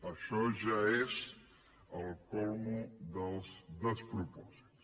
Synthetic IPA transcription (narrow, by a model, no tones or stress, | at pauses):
ɐʃɔʒaez | ɐlˠkɔlmud̪ɐlzd̪əspɾupɔz̥i̥t̪s